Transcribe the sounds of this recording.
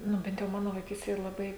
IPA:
ˈnʊ ˈbʲɛnt jɛʊ ˈmɑːnoː ʋɐɪˈkʲiːsʲtʲeːj ɪr lˠɐˈbɐɪ

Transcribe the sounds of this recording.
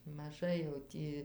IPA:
mɐˈʒɐɪ jɛʊ ˈtʲiː

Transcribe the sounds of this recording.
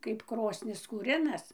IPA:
kɐɪp ˈkroːsʲnʲɪs kuːˈrʲɪnɐs

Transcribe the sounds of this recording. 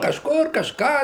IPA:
kɐʃˈkʊr kɐʃˈkɑː

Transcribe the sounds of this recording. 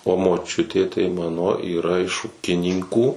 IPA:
oː moːˈt͡ʃʲʊtʲeː tɐɪ ˈmɑːnoː iːˈrɐ ɪʃ ˈuːkʲɪnʲiːŋkuː

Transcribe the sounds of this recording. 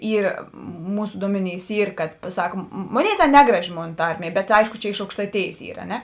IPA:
ˈiːr ˈmuːsʊ ˈduɔmʲɛˌnʲiːs ˈiːr kɐt pɐˈsɐk ˈmoːˌnʲeːɪ ˈtʲeːn ˈnʲæːɡrɐˌʒʲɪ ˈmoːn ˈtɐrʲˌmʲiɛ ˈbʲɛt ˈɐɪʃkʊ ˈt͡ʃʲɛ ɪʃ ɐʊkʃtɐɪˈtʲeːjeːs ˈiːr ɐ ˈnʲɛ

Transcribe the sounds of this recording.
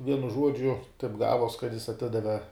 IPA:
ˈʋʲiɛnʊ ˈʒuɔd͡ʒʲʊ tɐɪp ˈɡɑːʋuɔs kɐt jɪs ɐˈtʲɪdɐʋʲɛ

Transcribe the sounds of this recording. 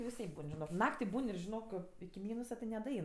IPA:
ʋʲɪˈsɐɪp ˈbuːn ʒʲɪˈnoːk ˈnɑːktʲɪ ˈbuːn ɪr ʒʲɪˈnoːk ɪkʲɪ ˈmʲiːnʊsɐ tʲɪ nʲɛdɐˈɛɪn

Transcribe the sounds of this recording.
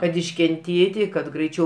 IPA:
kɐt ɪʃʲkʲɛnʲˈtʲeːtʲɪ kɐt ɡrɐɪˈt͡ʃʲɛʊ

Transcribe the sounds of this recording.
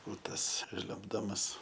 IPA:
ʊ ˈtɐs ˈʒʲlʲʊmbdɐmɐs

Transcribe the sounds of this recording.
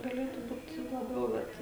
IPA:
ɡɐˈlʲeːtʊ ˈbuːt lˠɐˈbʲɛʊ ˈbʲɛt

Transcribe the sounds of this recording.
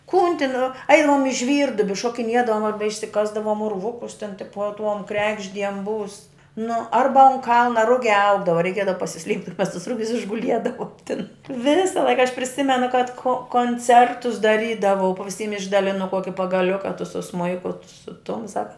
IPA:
kʊn tʲɪn ˈɐɪnɐm ɪ ˈʒʲʋʲiːrduɔbʲɪ ʃoːkʲɪˈnʲiɛdɐʋoːm ɐrbɐ ɪʃʲsʲɪˈkɑːzdɐʋoːm ʊrˈʋʊkʊs tʲɪn ˈtʲɪpuɔ tuɔm ˈkrʲæːɡʒʲdʲiɛm buːs nʊ ˈɐrbɐ ʊn ˈkɐlˠnɐ ˈrʊɡʲæː ˈɐʊɡdɐʋɐ rʲɛɪˈkʲiɛdɐʋɐ pɐsʲɪˈsʲlʲiɛpʲtʲ ɪr mʲɛs tʊs ˈrʊɡʲʊs ɪʒɡʊˈlʲiɛdɐʋoːm tʲɪn ˈʋʲɪsɐ ˈlˠɐɪkɐ ɐʃ pʲrʲɪˈsʲɪmʲɛnʊ kɐt koː koːnʲˈt͡sʲɛrtʊs dɐˈrʲiːdɐʋɐʊ pɐ ʋʲɪˈsʲiːm ɪʒdɐˈlʲɪnʊ ˈkuɔkʲɪ pɐɡɐˈlʲʊkɐ tʊ sʊ ˈsmʊɪkʊ tʊ sʊ ˈtʊm ˈsɑːkɐ

